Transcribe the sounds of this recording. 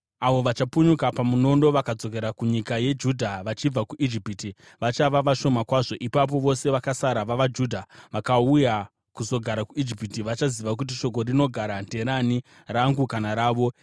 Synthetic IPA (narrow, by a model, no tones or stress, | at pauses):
aʋo̞ʋat͡ʃapuɲukapamuno̞ndo̞ʋakad͡zo̞k̬e̞ɾakuɲikaje̞d͡ʒudʱaʋat͡ʃib͡vakuʔid͡ʒipiti | ʋat͡ʃaʋaʋaʃo̞makwaːʐo̞ʔipap̬o̞ʋo̞se̞ʋakasaɾaʋaʋad͡ʒudʱaʋakauja | kuzo̞ɡʱaɾakuid͡ʒipitiʋat͡ʃaziʋak̬ut̬iʃo̞k̬o̞rino̞ɡʱaɾande̞ɾani | raŋɡukanaɾaːʋo̞